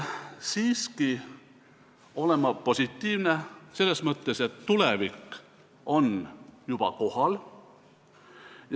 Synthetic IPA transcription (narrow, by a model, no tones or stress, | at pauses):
siːski | o̞le̞mɑpo̞sʲit̪ːiːvnese̞lːe̞smɤt̪ːese̞t̪ːulevikː | o̞njub̥ɑ̰ko̞hɑl | j